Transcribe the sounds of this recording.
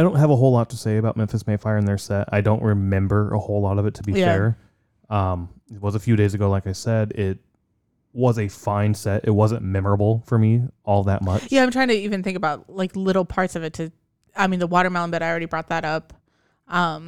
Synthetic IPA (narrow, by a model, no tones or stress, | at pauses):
aɪdõʊ̃nt̚ɦɨvəɦoʊlɔtʰəseɪɨbaʊt̚mɛ̃ɱfɨsmeɪfaɪə˞ɨ̃nðə˞sɛta̰ɪdõʊ̃nʔ̚ɹʔɨmɛ̃mbə˞ʔə̰hoʊlɔɾʌvɨtʰəbijə˞ | ʌ̃mɪt̚wʌzəfjʉɾeɪzɨɡoʊlaɪkaɪsɛɾɪt̚ | wʌzɨfãɪ̃nsɛɾɪ̰t̚wʌzɨ̃nmɛmə˞əbl̩ˠfə˞miɔlˠðɨ̰t̚mʌ̃jæaɪ̃mtʰaɪɪ̃ŋtʰɨivɨ̃nθɪ̃ŋkəbaʊtlaɪklɪɾl̩ˠpʰɑɹtsʌvɨtʰɨ | aɪmĩnðəwɔɾə˞mãʊ̃nbɛɾaɪl̩ˠɹɛɾibɹɔt̪̚ðɨɾʌp | ʔʌ̃m